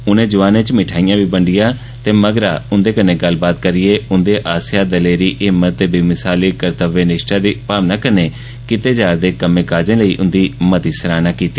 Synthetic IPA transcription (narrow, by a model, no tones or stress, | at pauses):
ʊnẽːd͡ʒʊʋaːnẽːt͡ʃmɪʈʰaːɪjãːʋiːbəɳɖɪjãː | t̪eːməɡɾaːʊnd̪eːkənẽːɡəlbaːt̪̚kəɾɪjeːʊnd̪eːʔaːsɪjaːd̪əleːɾiːʔɪmːət̪ːeːbimɪsaːliːkəɾt̪əʋeːnɪʃʈãːd̪iːpaːmnaːkəneː | kɪt̪eːd͡ʒaːɾd̪eːkəmẽːkaːd͡ʒẽːləiːʔʊnd̪iːmət̪iːsəɾaːnaːkiːt̪iː